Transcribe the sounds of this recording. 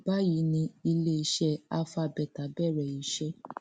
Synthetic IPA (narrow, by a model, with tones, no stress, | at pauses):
ba˦ji˨˦nĩ˧i˧le˦i˧ʃɛ˦a˧fa˧˨bɛ˨ta˨˦bɛ˦˨ɾɛ˨i˨˦ʃɛ˦